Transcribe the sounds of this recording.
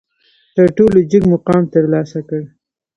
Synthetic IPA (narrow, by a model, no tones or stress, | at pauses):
t̪əɾʈolod͡ʒəɡmʊqɑmt̪əɾlɑsakəɽ